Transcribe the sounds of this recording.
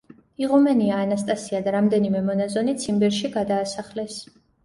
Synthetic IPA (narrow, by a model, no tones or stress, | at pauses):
iʁumɛniaːnast̪ʼasiad̪aɾamd̪ɛnimɛmɔnazɔnit̪sʰimbɛɾʃiɡad̪aːsaχlɛs